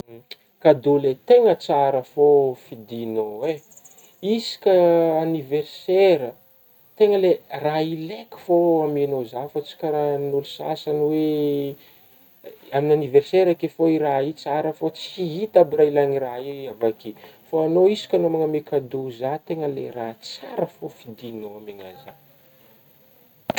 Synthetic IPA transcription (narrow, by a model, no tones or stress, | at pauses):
kad̪ulet̪eŋət͡saɾəfofid̪inowe | isi̥kʲəaniverseɾə | t̪eŋəleraileki̥foamenozafat͡si̥kʲaɾanulusa̰sanwe | aminaniverseɾakefoirait͡saɾəfot͡si̥iɦit̪abirailaniraiavakifoanoisi̥kʲanomaŋəmekʰad̪uzat̪eŋəlḛrat͡saɾəfofid̪inoameŋa̰za